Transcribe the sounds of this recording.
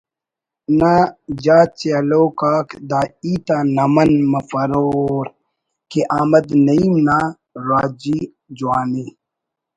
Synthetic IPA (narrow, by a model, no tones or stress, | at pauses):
nad͡ʑaːt͡ɕeɐloːkaːkd̪aːiːt̪aːnɐmɐnmɐfɐɾoːɾ | keʔaːmɐd̪nɐimna | ɾaːd͡ʑi | d͡ʑuwaːni